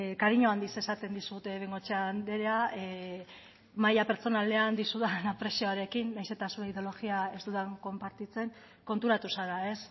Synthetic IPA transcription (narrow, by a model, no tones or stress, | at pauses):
kaɾiɲo̞and̪ise̞sat̪e̞nd̪isut̪e̞βeŋɡo̞t͡ʃeand̪e̞ɾeae | majape̞ɾt͡so̞nale̞and̪isuðanapɾe̞sio̞aɾe̞kinːajse̞t̪asuɾeiðeo̞lo̞ɣiae̞zd̪uðaŋko̞mpaɾt̪it͡se̞ŋ | ko̞nt̪uɾat̪usaɾae̞s